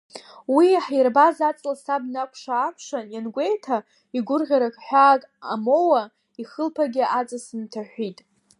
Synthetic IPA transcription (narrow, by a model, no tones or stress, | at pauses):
wiaħjrbazat͡sʼlasabnakʷʰʂaːpʰʂanjanɡʷe̞jtʰa | iɡʷʊrʁʲaɾakʼħʷᶣaːkʼa̰mo̞wa | iχəlpʰaɡʲɪat͡sʼɨsɨntʰaħᶣʷitʼ